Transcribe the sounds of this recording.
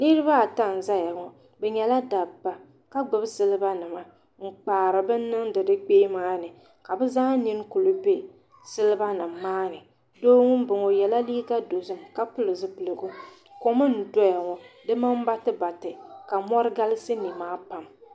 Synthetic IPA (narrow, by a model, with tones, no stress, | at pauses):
nɨ˦ɾɨ˦ba˦˨ta˦˨n̩˨za˦ja˨ŋɔ˨ | bɛ˨ɲɛ˨la˦daː˨a˨ | ka˦ɡ͡bɨ˨bsɨ˦lɨ˦ba˦nɨ˨ma˨ | ŋ͡m̩˨k͡paː˨ɾɨ˨bɛ˦n˦nɨ˦ŋdɨ˨dɨ˦k͡peː˦maː˦nɨ˨ | ka˨bɛ˦za˦ni˦ŋ˦kʊ˨lɨ˦be˦ | sɨ˦lɨ˦ba˦nɨ˨mːaː˦nɨ˨ | doː˦ŋʊ˦m˦bɨ˨ŋɔ˨jɛ˨la˦liː˦ka˦do˨zɨ˦mka˦pʊ˦lɨ˨zɨ˦pɨ˨lɨ˨ɡʊ˦ | ko˦mɨ˦n̩˨dɔ˦ja˨ŋɔ˨dɨ˦ma˦m˦ba˦tɨ˦ba˨tɨ˨ka˨mɔ˦ɾɨ˦ɡa˦lɪ˦sɨ˦ni˨maː˦pa˨m